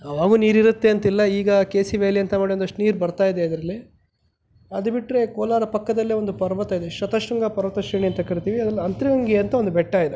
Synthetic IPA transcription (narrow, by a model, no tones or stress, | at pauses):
ɐʋaːɡuːniːɾiɾut̪ːe̞ɐnt̪ilːɐiːɡɐkeːsiʋeːliɐnt̪ɐmaːɽiond̪ɐʂʈniːɾbɐɾt̪aːjid̪eɐd̪ɐɾɐlːi | ɐd̪ubiʈɾe̞koːlaːɾɐpɐkːɐd̪ɐlːeʋond̪upɐɾʋɐt̪ɐid̪eʃɾɐt̪ɐʂɾuŋɡapɐɾʋɐt̪ɐʃiːɳiɐnt̪ɐkɐɾit̪iːʋiɐd̪ɐlːɐɐnt̪ɾiʋɐŋɡiɐnt̪ɐʋond̪ubɛʈːaːjid̪e